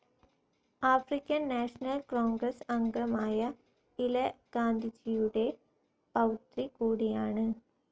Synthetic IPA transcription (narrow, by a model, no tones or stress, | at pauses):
aːfrikʲːɐnːaːʂɐnɐlkoːŋɡɾɐsɐŋɡɾɐmaːjɐ | ilɐɡ̥aːnd̪ʱid͡ʑijuɽe̞ | pɐwt̪ɾikuːɽijaːɳɨ